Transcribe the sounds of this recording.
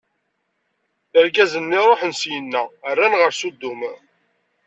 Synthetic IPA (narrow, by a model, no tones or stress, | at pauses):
əɾɡæzənːɪɾˤoħənsjənːæərːænʁəɾsud̪ːum